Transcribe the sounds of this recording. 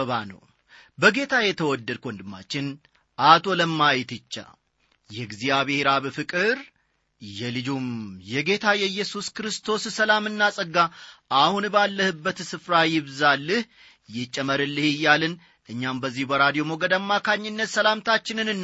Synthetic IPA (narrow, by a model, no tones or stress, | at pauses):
əβanə̰w | bəɡe̞t̪ʰajɛt̪ʰəwɔd̪ːəd̪̚kʰʷond̪ɨmːa̰t͡ʃːɪn | ʔat̪ʰo̞ləmːajt̪ɨt͡ʃːa̰ | jɛɡzijaβe̞ɾaβfɨkʼɨɾ | jɛlɨd͡ʒumjɛɡe̞t̪ʰajɛjːɛsuskɾɨst̪ʰo̞ssəlamɨnːasʼəɡːaʔahunbalːəhɨbːət̪sɨfɾajɪβzalːɨh | jɪt͡ʃʼːəməɾɨlːɨhɨjːalɨn | ʔɨɲːambəzːihbəɾad̪ijo̞moɡəd̪amːakʰaɲːɪnːət̪səlamt̪ʰat͡ʃːɪnɨnɨnː